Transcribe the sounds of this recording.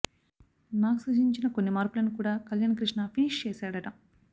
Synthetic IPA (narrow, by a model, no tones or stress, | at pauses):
naːkusɐd͡ʒiɲt͡ʃinɐkonːimaːɾpulɐnikuːɽaːkɐljɐnɐkɾiʂnɐpʰiniʂt͡ʃeːsaːɽɐʈɐm